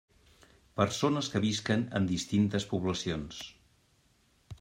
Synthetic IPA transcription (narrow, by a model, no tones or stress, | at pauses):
pəɾsonəskəβiskənə̰nd̪ist̪int̪əspuβləsions